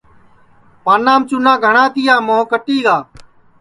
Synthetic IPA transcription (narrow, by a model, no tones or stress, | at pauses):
paːnãːmt͡ʃʊnãːɡʱəɳãːt̪ɪjaːmõːkəʈiːɡaː